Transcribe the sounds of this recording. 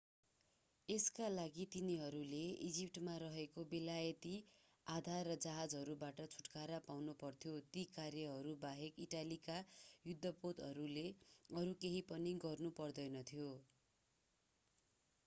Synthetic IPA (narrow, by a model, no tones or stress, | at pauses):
eskalaɡit̪iniɦʌɾuleid͡zip̚ʈmaɾʌɦekobilajʌt̪i | ad̪ʱarːʌd͡zaɦad͡zɦʌɾubaʈʌt͡sʰu̥ʈkaɾapawnupʌrt̪ʰjot̪ikarjʌɦʌɾubaɦekiʈalikajud̪ʱːʌpot̪ɦʌɾuleʌɾukeɦipʌniɡʌrnupʌrd̪ʌjnʌt̪ʰjo